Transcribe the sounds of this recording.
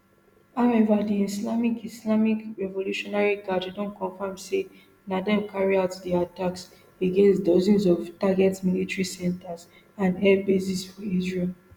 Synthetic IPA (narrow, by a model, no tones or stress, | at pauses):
haʊɛvadiislamikislamikɹɛvoluʃɔnaɹiɡaddõnkɔ̃nfãmse | nadãmkʰaɹiaʊtdiataks | eɡẽnstdɔzĩnzɔvtaɡɛtsmilitɹisɛ̃ntaz | ãnɛbesisfɔizɹil